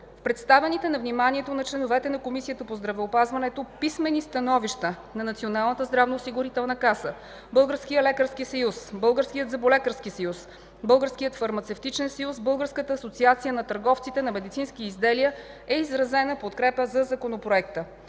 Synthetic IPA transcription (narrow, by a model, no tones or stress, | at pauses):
fpɾɛt̪st̪avɛnit̪ɛnɐvnimaniɛt̪onɐt͡ʃlɛnovɛt̪ɛnɐkomisijət̪əpozd̪ɾɐvɛopazvɐnɛt̪opismɛnist̪ɐnɔviʃt̪ə | nɐnɐt̪sionalˠnət̪əzd̪ɾavnoːsiɡʊɾit̪ɛlˠnəkasə | bɤlˠɡəɾskijəlɛkəɾskisɐjusbɤlˠɡəɾskijəd̪zɐbolɛkəɾskisɐjus | bɤlˠɡəɾskijət̪fɐɾmɐt̪sɛft̪it͡ʃɛnsɐjusbɤlˠɡəɾskət̪əːsot̪siat̪sijənɐt̪əɾɡɔft̪sit̪ɛnɐmɛd̪it̪sinskiizd̪ɛliə | ɛizɾɐzɛnəpot̪kɾɛpəzɐzɐkonopɾoɛkt̪ə